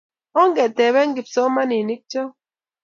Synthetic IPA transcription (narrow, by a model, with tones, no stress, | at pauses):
ɔ˦ŋɡɛ˨tɛ˨βɛ˦ŋɡi˨psɔ˦ma˦ni˨ni˦k̚t͡ʃɔ˦